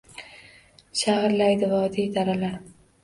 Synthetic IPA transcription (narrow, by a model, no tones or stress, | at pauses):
ʃahɾlajd̪ɪvad̪ijd̪ʰaɾalaɾ